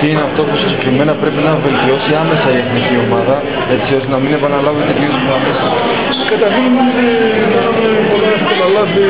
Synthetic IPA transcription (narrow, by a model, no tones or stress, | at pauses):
t̪iineɐft̪o̞pusiskime̞nɐpɾe̞pinɐve̞lt̪io̞siɐme̞sɐie̞θnicio̞mɐðɐ | e̞t͡sio̞st̪enɐmine̞pɐnɐlɐvit̪et̪jususɐmesɐ | kɐt̪ɐɾçinot̪ikɐnumepolɐst̪enɐlɐvi